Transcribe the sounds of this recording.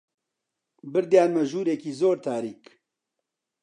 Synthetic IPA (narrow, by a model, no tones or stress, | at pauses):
bɨɾd̪jaːnmɛʒuːɾeːkiːzoːɾt̪ʰaːɾiːk